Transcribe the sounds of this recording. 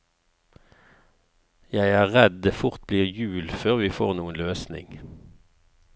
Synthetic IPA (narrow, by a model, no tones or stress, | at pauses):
jæɪæːʁɛd̪̚d̪eːfʊʁt̪̚bliːʁjʉːlføːʁʋiːfo̰ːʁnuːənløːsnɪ̰ŋ